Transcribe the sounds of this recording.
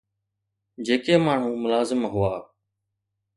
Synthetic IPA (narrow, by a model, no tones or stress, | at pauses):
d͡ʒeːkeːmaːɳ̤ũːmʊlaːzɪmɦʊaː